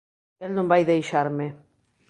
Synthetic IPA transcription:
elnõmbajðejʃaɾme

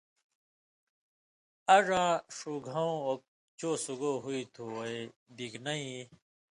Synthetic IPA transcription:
ɐʐãːʂuɡʱaõok̚ | t͡ɕoːsuɡoɦuit̪ʰued̪iknɐĩ

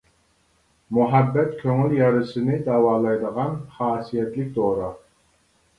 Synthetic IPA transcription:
muɦæbːɛt̪kʲʰøŋyljɑɾɨsɨnɪd̪ɑːwɑːlˠɑjd̪əʁɑnχɑːsijɛt̪lɪkʲd̪oɾɑ

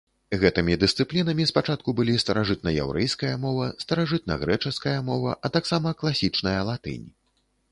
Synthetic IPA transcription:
ɣɛt̪ɨmʲid̪ɨst̪sɨplʲinɐmʲispat͡ʂat̪̚kubɨlʲist̪ɐɾaʐɨt̪̚nɐjɛ̰wɾʔɛjskɐjɐmɔvɐst̪ɐɾaʐɨt̪nɐ̰ɣɾɛt͡ʂɛskɐjɐmɔvɐ̰ʔɐt̪aksamɐklˠasʲit͡ʂnɐjɐlˠat̪ɨ̰nʲ

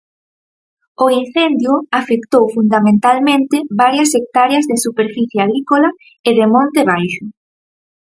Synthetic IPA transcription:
ʊin̟θend̪jʊafekt̪owfund̪amẽnt̪almẽnt̪ɪβaɾjɐsek̚t̪aɾeɐzðesupeɾfiθjeaɣɾikola | eðemõnt̪eβajʃʊ

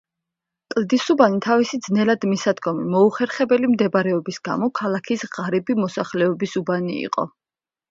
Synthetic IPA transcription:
kʼld̪isubanit̪ʰavisid̪znɛlad̪misad̪ɡɔmḭmɔuχɛɾχɛbɛlimd̪ɛbaɾɛɔbisɡa̰mɔkʰalakʰisʁaɾibimɔsaχlɛɔbisubanḭḭqʼɔ̰

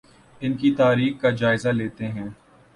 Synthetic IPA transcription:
ɪnkit̪aːɾiːxkad͡ʒaːɪzaleːt̪eɦɛ̃ː

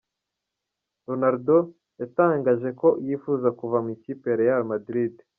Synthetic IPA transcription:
ɾonaɾdo | jataːŋɡaːʒe̞ko̞jifuzakuvamicipeɾejalmadɾid

